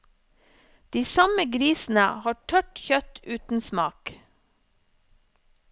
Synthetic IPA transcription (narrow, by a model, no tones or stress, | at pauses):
d̪̥iːsɑməɡɾiːsn̩ə̰hɑːʈʰœʈçœt̪ʉːt̪n̩smɑːk